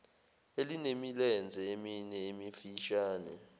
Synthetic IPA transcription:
elinemilɛnd͡zʱɛeminɛemifiʃaːnɛ

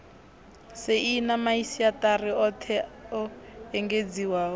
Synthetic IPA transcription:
seinamaisiatariɔtʰɛɔɛŋɡed͡ziwaɔ

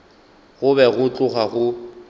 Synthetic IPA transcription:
ɣʊbɛɣʊt͡ɬʼʊχaɣʊ

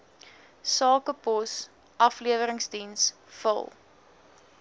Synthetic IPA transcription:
sɑːkəpɔs | ʔɐfliəvəɾəŋsdins | fə̰lˠ

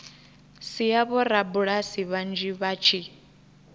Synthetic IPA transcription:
sijaβɔɾabuɺasiβand͡ʒiβat͡ʃʰi

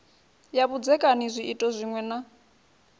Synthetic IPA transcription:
jaβud͡zɛkʼanizʷiitʼɔzʷiŋwɛna

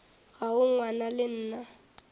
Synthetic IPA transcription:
ɣaʊŋwanalɪn̩ːna

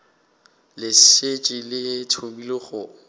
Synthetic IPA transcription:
lɪset͡ʃʼɪlɪtʰobilɪχʊ

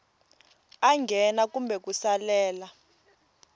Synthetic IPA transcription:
aŋɡʱɛnak̬umbʱɛk̬usalɛːla

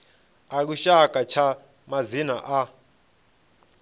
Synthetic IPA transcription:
aluʃakʼat͡ʃʰa | mazinaʔa

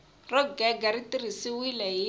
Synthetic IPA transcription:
rɔɡɛɡaɾitirisiwilɛi

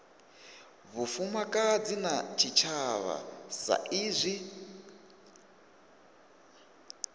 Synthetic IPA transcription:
βufumakʼad͡zinat͡ʃʰit͡ʃʰaβa̰sa̰ʔiːzʷi

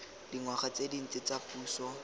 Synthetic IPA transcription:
diŋwaχat͡sedin̩t͡sɪt͡sapuːsɔ

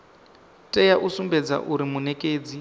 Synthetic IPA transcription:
tʼɛjaʔusumbɛd͡za̰ʔuɾimunɛkʼeːd͡zi

